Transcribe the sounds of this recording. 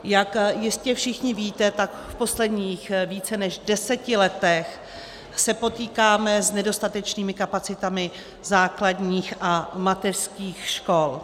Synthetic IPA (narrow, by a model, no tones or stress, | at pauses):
jakjɪscɛfʃɪxɲɪviːt̪ɛt̪ak | fpo̞slɛdɲiːxviːt͡sɛnɛʒdɛsɛcɪlɛt̪ɛx | sɛpo̞t̪iːkaːmɛznɛdo̞st̪at̪ɛt͡ʃniːmɪkapat͡sɪt̪amɪ | zaːkladɲiːxʔamat̪ɛr̥skiːxʃko̞l